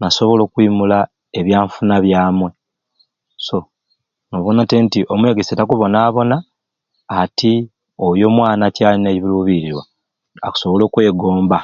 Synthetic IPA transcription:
naso̞βo̞lo̞ːkwiːmula | e̞βjaːɱfunaβjaːmwe̞ | so̞ | no̞βonatentiʔo̞mwe̞ɡesetakuβo̞naːβo̞naː | ti | ojo̞mwaːnacaːlineiβiluːβiɾiɾwa | aku̥soβo̞lo̞ːkwe̞ːɡoːmba

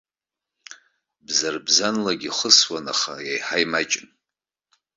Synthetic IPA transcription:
bzarbzanlaɡʲiχəswana̰χajajħajmat͡ʃʼɪn

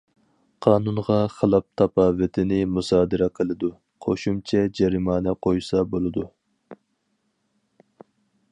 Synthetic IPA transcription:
qʰɑːnunʁɑχəlˠɑp̚t̪ʰɑpʰɑːvɨt̪ʰɪnɪmusɑːd̪ɨɾɛqʰəlˠɨd̪u | qʰoʃumt͡ʃʰɛd͡ʒɛɾimɑːnɛqʰojsɑbolˠɨd̪u

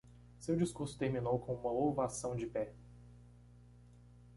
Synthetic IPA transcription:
sewd͡ʒiskuɾsʊ̥t̪eɾminowkõũmɐlovasɐ̃w̃d͡ʒɪpɛ

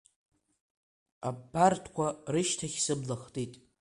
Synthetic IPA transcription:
abartʰkʷʰarɨʃtʰaχʲsɨblaχtʼitʼ

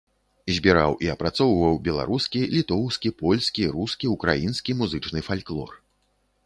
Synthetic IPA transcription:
zʲbʲiɾa̰wʔiɐpɾat̪sɔwvɐwbʲɛlˠa̰ɾuskʲilʲit̪ɔwskʲipɔlʲskʲiɾuskʲiukɾa̰jinskʲimuzɨt͡ʂnɨfalʲklˠɔ̰r

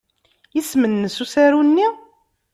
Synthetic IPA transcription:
jismənːəsusæɾunːi

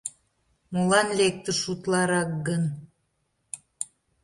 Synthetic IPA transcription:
mulɑnlek̚t̪əʃut̪lɑɾɑk̚ɡən

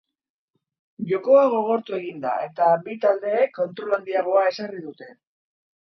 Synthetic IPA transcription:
ʝo̞ko̞aɣo̞ɣ̞o̞ɾt̪ue̞ɣind̪a̰e̞t̪abit̪ald̪e̞ːkːo̞nt̪ɾo̞land̪iaɣ̞o̞ae̞sariðut̪e̞

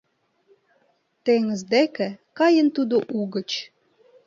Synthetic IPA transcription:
t̪eŋə̆zd̪ekɘ̆kɑjənt̪ud̪oʔuɣə̆t͡ɕ

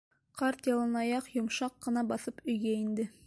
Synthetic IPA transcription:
qɑɾt̪jɑlˠɤ̆nɑjɑqjŏmʃɑqːɤ̆nɑbɑθɤpɵ̆jɡæind̪ɘ

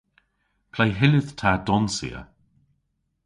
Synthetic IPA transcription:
pʰlajɦɪləð̥tʰadɔnsḭə̰

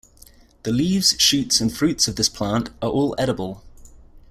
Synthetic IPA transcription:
ðəliːvz̥ʃʉˑtsə̃nfɹʉˑtsəvðɪspʰl̥ɑ̃ˑntəɹʔɔːlɛɾəbəlˠ

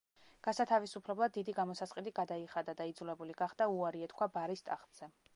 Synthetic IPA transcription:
ɡ̥asat̪ʰavisupʰlɛblˠad̪ːid̪iɡamɔsasqʼɛd̪iɡad̪aiχad̪ad̪aid̪zulɛbuliɡaχd̪auaɾiɛt̪kʰwabaɾist̪ʼa̰χt̪ʼz̥ɛ

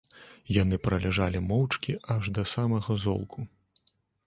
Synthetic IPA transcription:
janɨpɾɐlʲɛʐalʲimɔwt͡ʂkʲiʔɐʐd̪ɐsamɐɣɐzɔ̰lˠkʰu

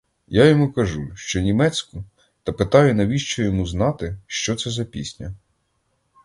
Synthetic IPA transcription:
jajɔmukɐʒuʃt͡ʃɔnʲimɛt͡sʲkʊ | t̪ɐpɪt̪ɑjʊnɐʋʲiʃt͡ʃɔjɔmuznɑt̪ɪʃt͡ʃɔt̪sɛzɐpʲisʲnʲɐ

